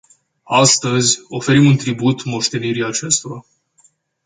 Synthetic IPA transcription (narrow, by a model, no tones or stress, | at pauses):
ast̪əzʲo̞fe̞ɾimunt̪ɾibut̪mo̞ʃt̪e̞niɾiat͡ʃe̞st̪o̞ɾa